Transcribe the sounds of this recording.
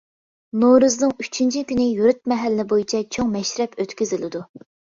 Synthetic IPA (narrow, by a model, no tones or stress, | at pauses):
noɾɨznɨŋy̥t͡ʃʰint͡ʃʰikʲynɪjuɾyt̪̚mɛɦælːɪnɪbojit͡ʃʰɛt͡ʃʰoŋmɛʃɾɛpøt̪kʲyzɪlɪd̪u